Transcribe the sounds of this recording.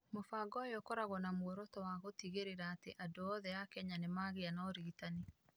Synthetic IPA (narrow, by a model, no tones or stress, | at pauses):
mofaːɡɔjɔkɔɾaɣɔnamwɔɾɔtɔwaɣotiɣeɾeɾaːteʔadoɔðɛakɛɲanemaːɣeanaɔɾiitane